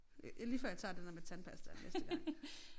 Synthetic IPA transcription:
liːfɶɐ̰jɑt͡sʰɑ̰̈ːd̥endæɐmet͡sʰænpʰæsd̥ɐnesd̥əɡ̥ɑ̈ŋ̰

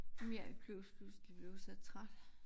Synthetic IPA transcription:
meɐ̰kʰøʊsb̥usd̥ib̥le̝ʊsɛð̥̚t͡sʰʁad̥

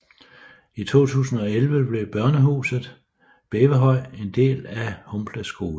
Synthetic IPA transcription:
it͡sʰo̝̰ːt͡sʰṵːsn̩ɒ̽elʋəb̥le̝b̥ɶɐnəɦṵːsð̩ˠ | b̥eːʋəɦɒ̽ɪ̰e̝nd̥e̝̰ːlæhɔmbʰlæsɡ̥o̝ːl

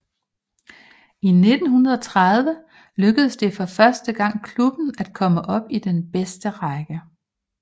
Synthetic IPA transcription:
ine̝d̥n̩hunɐðˠɒ̽t͡sʰʁaðˠʋə | løɡ̥əðˠsd̥e̝fɒ̽fɶɐsd̥əɡ̥ɑ̈ŋ̰kʰlub̥n̩æd̥kʰɒ̽məʔɒ̽b̥id̥enb̥esd̥əʁɑɡ̥ə

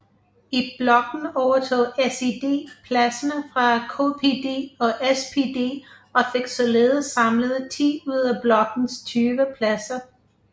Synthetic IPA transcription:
ib̥lɒ̽ɡ̥n̩ɒʊɐt͡sʰo̰ːesed̥e̝̰ːpʰlæsɐnəfʁɑ̈kʰo̝̰ːpʰe̝d̥e̝̰ːɒ̽ʔespʰe̝d̥e̝̰ː | ɒ̽fe̝ɡ̥sɒ̽le̝ːð̩ˠsːɑ̈mləð̩ˠt͡sʰḭːuð̞̰ˠæb̥lɒ̽ɡ̥n̩st͡sʰyːʋəpʰlæsɐ

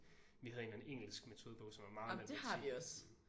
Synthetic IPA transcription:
ʋihæðˠenæneŋ̰l̩sɡ̥me̝t͡sʰo̝ːðˠb̥ɔ̽ʊsɒ̽mæɐmɑ̈ːæd̥e̝hɑʋiɒ̽s

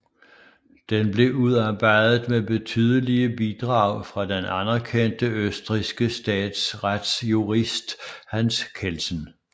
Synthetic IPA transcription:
d̥enb̥le̝ʔuðˠɑ̈ːb̥ɑ̈ɪ̰ðð̩ˠmeb̥e̝t͡sʰyːð̞ˠəliəbid̥ʁɑ̈ʊ̰fʁɑ̈d̥enænæɐkʰen̰d̥əøsd̥ʁisɡ̥əsd̥ɛ̰ːd̥sʁad̥sjuʁisd̥hænskʰelsən̩

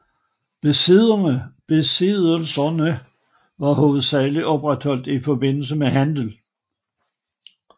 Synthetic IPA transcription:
b̥əb̥e̝siðˠəlsɐnə | ʋɑ̈hoːð̩ˠsæːliʔɒ̽b̥ʁad̥hɒ̽l̰d̥ifɒ̽b̥e̝n̰l̩səmeɦænd̥l̩

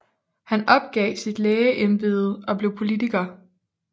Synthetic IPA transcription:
hænɒ̽b̥ɡ̥ɛ̰ːsid̥leːəʔenb̥e̝ð̩ˠɒ̽b̥le̝ʊpʰo̝lidʰiɡ̥ɐː

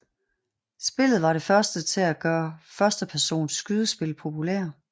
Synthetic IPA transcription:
sb̥e̝lð̩ˠʋɑ̈ɾe̝fɶɐsd̥ət͡sʰe̝læɡ̥ɶːɐfɶɐsd̥əpʰæɐso̝̰ːnsɡ̥yð̞ˠəsb̥e̝lpʰo̝pʰulḛɐ

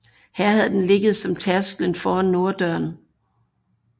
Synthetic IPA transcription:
hæɐ̰hæðˠd̥enle̝ɡ̥əð̩ˠsɒ̽mt͡sʰæɐsɡ̥lənfɒːanːo̝ːɐd̥œɐn

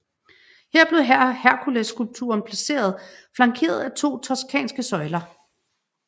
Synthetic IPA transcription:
heɐ̰b̥le̝ðˠɦæhæɐkʰuleskulb̚t͡sʰṵɐnpʰlæse̝̰ːɐð̞ˠflɑ̈ŋkʰe̝̰ːɐð̞̩ˠæt͡sʰo̝̰ːt͡sʰɒskʰɛ̰ːnsɡ̥əsɒ̽ɪlɐ

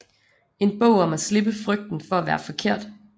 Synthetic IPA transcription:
e̝nb̥ɔ̰ʊ̰ɒ̽mæsle̝b̥əfʁœɡ̥̚d̥n̩fɒ̽æʋæːɐfɒ̽kʰe̝ɐ̰d̥

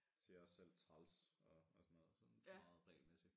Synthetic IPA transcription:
seɐɒsːel̰t͡sʰʁɑ̈lsɒ̽ɒsɒnɔ̽ːðˠsɒ̽nfmɑ̈ːð̩ˠʁɛ̰ːlmesi̥

